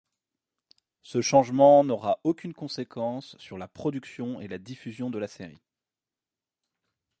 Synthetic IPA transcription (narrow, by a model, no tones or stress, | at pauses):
səʃɑ̃ʒmɑ̃nɔʁaʔokʲynkɔ̃sekʰɑ̃sːyʁlapχɔd̪yksjɔ̃elad̪ifyzjɔ̃d̪əlaseʁḭ